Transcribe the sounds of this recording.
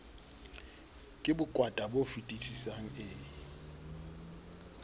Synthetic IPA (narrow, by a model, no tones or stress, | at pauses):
kʼɪbʊkʼwatʼabofitʼit͡sʰisaŋ̩ɪ